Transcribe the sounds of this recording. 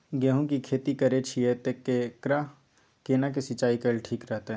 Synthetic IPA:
ɡɛɦũkikʰeːt̪ikɐɾet͡ʃʰiet̪ekːekɾa | keːnak̬esɪt͡ʃaːikəlʈʰiːkɾɛɦt̪eɦ

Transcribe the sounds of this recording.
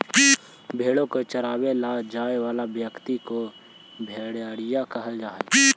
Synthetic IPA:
bʱeːɽõkot͡ʃəɾaːwelad͡ʒaːewaːlabjəkt̪iko | bʱeːɽjaːɽɪjakəɦəld͡ʒaːe

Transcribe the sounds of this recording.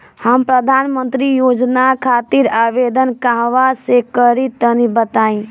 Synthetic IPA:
həmpɾəd̪ʱanmənt̪ɾijod͡ʒnakʰat̪iɾabed̪ənkaɦʋasekəɾit̪ənibət̪aĩ

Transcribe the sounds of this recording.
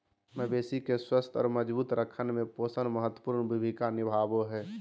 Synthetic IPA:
məbeːsikeswəst̪ʰɔ̰ːɾməd͡ʒbuːt̪ɾəkʰənmẽpoːsənməɦət̪wəpuːɾnbʱibʱikanɪbʱaːboɦɛː

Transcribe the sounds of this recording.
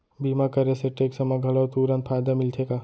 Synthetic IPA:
biːmakɐɾeseʈeːksɐmaɡʱɐlat̪uːɾãnt̪̚fʰaːjd̪amɪlt̪ʰekaː

